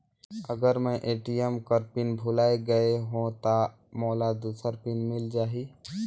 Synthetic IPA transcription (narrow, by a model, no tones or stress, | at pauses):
əɡəɾmɛ̃ʔeːʈijəmkəɾpɪnbʱʊlaːeɡəeɦõt̪a | moːlad̪uːsəɾpɪnmɪld͡ʒaːɦi